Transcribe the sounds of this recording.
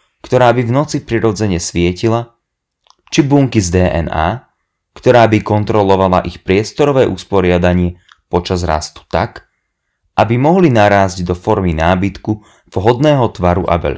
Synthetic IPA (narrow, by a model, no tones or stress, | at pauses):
kt̪ɔɾaːbivnɔt͡sipɾiɾɔd͡zɛɲɛsʋɪɛcila | t͡ʃibuːŋkizd̪ɛːʔɛ̰na̰ː | kt̪ɔɾaːbikɔnt̪ɾɔlɔʋala̰ʔixpɾɪɛst̪ɔɾɔʋɛːʔuspɔɾɪad̪aɲɪɛ | pɔt͡ʃazɾa̰st̪u̥t̪ak | ʔabimɔɦlinaɾaːzɟd̪ɔfɔɾminaːbit̪ku | v̥ɦɔd̪nɛːɦɔt̪ʋaɾṵʔa̰ʋɛ̰ʎ